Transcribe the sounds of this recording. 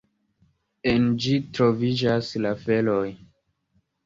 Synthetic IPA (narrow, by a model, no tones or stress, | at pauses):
end͡ʒitɾo̞vid͡ʒaslafe̞lo̞j